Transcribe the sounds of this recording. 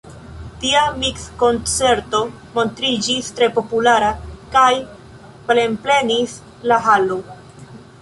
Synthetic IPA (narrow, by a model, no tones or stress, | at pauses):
tiamiksko̞nt͡se̞ɾto̞ | mo̞ntɾid͡ʒistɾe̞po̞pulaɾakaj | ple̞mple̞nis | laɦalo